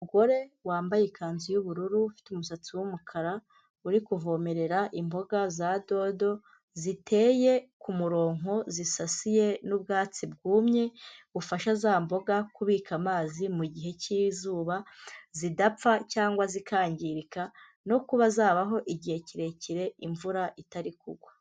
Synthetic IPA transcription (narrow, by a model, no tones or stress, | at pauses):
umuɡo̞ɾe̞waːmbajekaːnzijuβuɾuɾufi̥tumusat͡siwumukʰaɾa | uɾikuvo̞me̞ɾe̞ɾaʔimbo̞ɡazado̞do̞ | zitʰe̞je̞kumuɾo̞ːŋo̞zisasije̞nub̚ɡaːt͡sibɡuːmɲeβufaʃazaːmbo̞ɡakuβiːkamaːzimuɟiɦe̞ciːzuːβazidap͡facaːŋɡwazikʰaːɲɟiɾika | no̞kuβazaːβaɦo̞ʔiɟihe̞ciɾe̞ciɾe̞iɱvuɾaʔitaɾikuɡwa